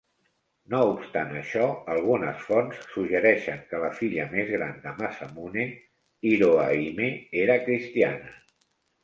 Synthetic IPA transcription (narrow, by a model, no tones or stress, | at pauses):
noupst̪anəʃɔəlˠɣ̞unəsfɔnsːuʒəɾɛʃəŋkələfiʎəmezɣɾa̰nd̪əmasəmune | iɾoaimeeɾəkɾist̪ianə